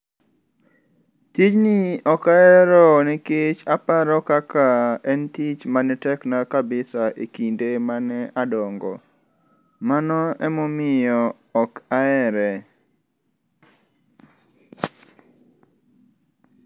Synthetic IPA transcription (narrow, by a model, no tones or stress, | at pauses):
tit͡ʃnɪɔkaɛɾɔnɪkɪt͡ʃapaɾɔkakaɛntit͡ʃmanɪtɛknakabɪsaʔekindemanɛadɔŋɡɔ̰ | manɔɛmɔmɪjɔː | kaɛɾɛ